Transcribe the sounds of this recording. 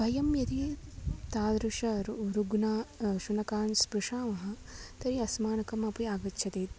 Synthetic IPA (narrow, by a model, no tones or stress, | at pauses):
bʱɐjɐmjɐt̪it̪aːd̪ɾuʂɐɾɾuɡnaːʃunɐkaːnspɾuʂaːmɐɦɐ̆ | t̪ɐɾiɐsmaːnɐkɐmɐpiaːɡɐtːʃʰɐt̪eːt̪̚